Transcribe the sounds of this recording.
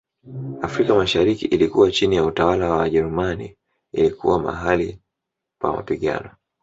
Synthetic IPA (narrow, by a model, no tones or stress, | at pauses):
afɾikamaʃaɾikiʔilikuwat͡ʃinijautawalawaʄɛɾumanḭː | likʰṵwama̰ɦali | kwa̰ma̰piɠa̰nɔ